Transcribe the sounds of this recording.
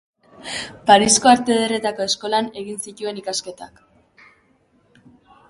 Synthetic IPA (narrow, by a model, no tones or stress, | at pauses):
paɾisko̞aɾt̪e̞ðere̞t̪ako̞e̞sko̞lane̞ɣinsit̪ue̞nikaske̞t̪a̰k